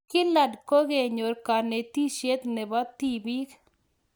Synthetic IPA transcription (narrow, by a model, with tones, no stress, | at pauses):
kɪ˦la˨dko˦ɡe˨ɲo˨ɾka˨ne˨t̪i˦ʃe˦t̪ne˨bɔ˦t̪i˦bi˦k